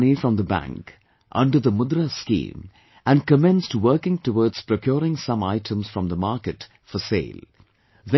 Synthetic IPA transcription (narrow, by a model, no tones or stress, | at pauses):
nifɹʌ̃mðəbæ̰̃ŋk | ʔʌ̰̃ɳɖəɾðəmʊd̪ɾəskḭ̃ːm | ʔæ̃nkəmɛ̃nstwəːkɪ̃ŋtəwɔːdz̥pɾokʰjɔːɾɪ̃ŋsʌ̃maɪʈʰə̃msfɹʌ̃mðəmɑːɾkɨt | fəsḛɪl | ðɛ̃